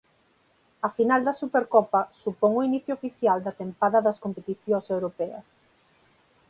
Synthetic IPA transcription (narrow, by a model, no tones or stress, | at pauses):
ɐfinald̪ɐsupeɾkɔpɐsupɔŋoiniθjoofiθjald̪ɐt̪empaðɐðɐskompet̪iθjoŋsewɾopɛɐ̰s